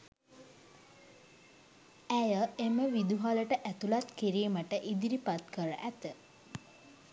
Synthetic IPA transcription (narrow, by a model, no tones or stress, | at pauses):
æjəeməʋid̪uɦaləʈəʔæt̪ulat̪kiɾiːməʈəʔid̪iɾipat̪kəɾəʔæt̪ə